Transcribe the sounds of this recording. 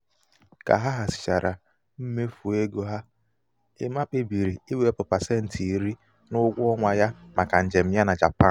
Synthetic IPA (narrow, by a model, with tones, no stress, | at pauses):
ka̰˨ɦa˦ɦa˨sɪ̥˨t͡ʃa˨ɾa˨ | m̩˦me˦fu˨e˦ɡo˨ɦa˦ | ɪ˦ma˦k͡pe˦bi˨ɾi˨i˦we˨˦e˦pʊ˨pa˨se˦n̩˨tʰi˨i˨ɾi˦ | nʊ˦ɡʷʊ˦ɔ˦ŋʷa˨ja˦ma˨ka˨n̩˨d͡ʒe˨m̩˨ja˦na˨d͡ʒa̰˨pa˦˨